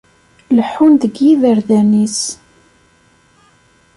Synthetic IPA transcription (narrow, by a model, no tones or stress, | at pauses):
ləħːunðəɡjiðəɾðænis